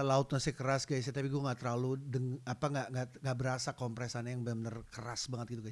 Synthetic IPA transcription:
laʊt̪̚masɛkərasɡais̬at̪apiɡuaŋɡaʔt̪əɾaludəŋapaŋɡaʔŋɡaŋɡaʔbəɾasakɔmpɾɛsanajaŋbɛmənərkəɾasbaŋət̪̚ɡit̪uɡa

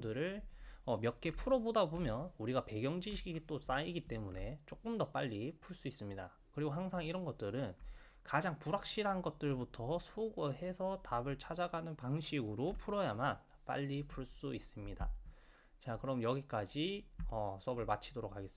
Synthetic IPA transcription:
dɯɾɯɭʌmjʌk͈e̞pʰuɾʌbodabomjʌnuɾiɡape̞ɡjʌŋd͡ʑiɕʰiɡiɡit͈os͈aiɡit͈e̞mune̞t͡ɕ͈ok͈ɯmdʌp͈aʎːipʰuɭs͈uis͈ɯmɲida̰ | kɯɾiɡoɦaŋsʰaŋiɾʌnɡʌt̚t͈ɯɾɯn | kad͡ʑaŋpuɾak̚ɕ͈iɾɦanɡʌt̚t͈ɯɭbutʰʌsʰoɡoɦe̞sʰʌtabɯɭt͡ɕʰad͡ʑaɡanɯnpaŋɕʰiɡɯɾopʰuɾʌjaman | p͈a̰ʎːipʰuɭs͈uis͈ɯmɲida̰ | t͡ɕakɯɾʌmjʌɡik͈ad͡ʑiʌsʰʌbɯɭmat͡ɕʰidoɾok̚ʰaɡe̞s͈ɯ

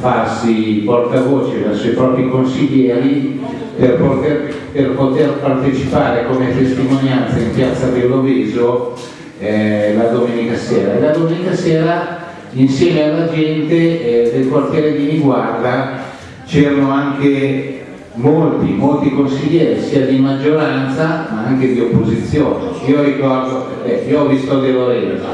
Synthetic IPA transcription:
farsiport̪avoːt͡ʃevɛrsojpɾɔːpɾikonsiʎːɛːɾi | perpot̪er | perpot̪erpart̪et͡ʃipaːɾekomet̪est̪imonjant̪saimpjat̪sːavelːoviːzo | ɛlad̪omeːnikasɛːɾaelad̪omeːnikasɛːɾa | insjɛːmealːad͡ʒɛnt̪ed̪elkwart̪jɛːɾek̪imiɡward̪a | t͡ʃɛːɾanoaŋk̟e | molt̪imolt̪ikonsiʎːɛːɾisiːad̪imad͡ʒːoɾant̪samaaŋk̟ed̪iopːozit̪sːjoːneiːoɾikɔrd̪o | ɛioɔvist̪oad̪eloɾɛl̰

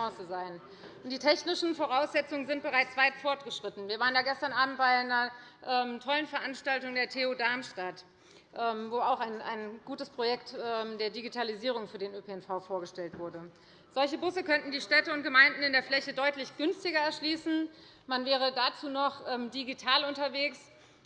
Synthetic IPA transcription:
ɔ̃ːsəzaɪən | ʔʊntd̥iːtʰɛçnɪʃn̩foʁ̞aʊsz̥ɛt͡sʊŋənzɪnt̚b̥əʁ̞aɪt͡sv̥aɪtfɔɐtɡ̥əʃʁ̥ɪtn̩viːɐvaːʁənjaːɡɛstɐnʔaːbm̩t̚b̥aɪɪnɐʔɛːmtʰɔlənfɛɐʔanʃtaltʊŋdeːɐtʰeodaɐmʃtat | ʔɛːmvoːaʊxaɪna̰ɪnɡ̥uːtəspʁ̥ojɛktɛːmdeːɐdiɡitʰaliziːʁ̞ʊŋfyːɐdeːnøːpeɛnfaʊfoːɐɡəʃtɛltv̥ʊɐdə | z̥ɔlçəbʊsəkœntn̩diːʃtɛtəʊntɡ̥əmaɪndn̩ɪndeːɐflɛçədɔʏtlɪçɡ̥ʏnstɪɡɐɛɐʃliːsn̩ | manvɛːʁ̞ədat͡suːnɔχʔɛːmdiɡitʰaːlʊntɐveːks

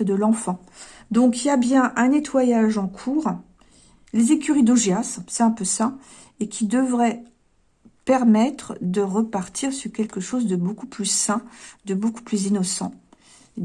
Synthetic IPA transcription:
əd̪əlɑ̃fɑ̃ | d̪ɔ̃kijabjɛ̃ʔɛ̃net̪wajaʒɑ̃kʰuːʁ | lezekʲyʁid̪oʒeassɛɛ̃pøsa | ekʲʰid̪əvʁɛ | pɛʁmɛt̪χəd̪əʁəpaʁt̪ʰiʁsyʁkʲɛlkʲəʃozd̪əbokuplysɛ̃d̪əboku̥plyzinɔsɑ̰̃

